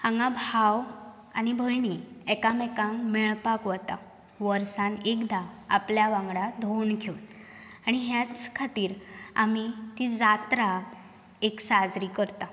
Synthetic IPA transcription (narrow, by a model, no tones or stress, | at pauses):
hãŋɡabʱaw | anibʱəjɳiɛkamɛkãŋɡmeɭpakʋət̪a | ʋəɾsanekd̪aa̰pljaʋãŋɡɽad̪ʱonkʰewt̪ | añiɦjat͡skʰat̪iːɾa̰mit̪id͡zat̪ɾa | eksad͡zɾikəɾt̪a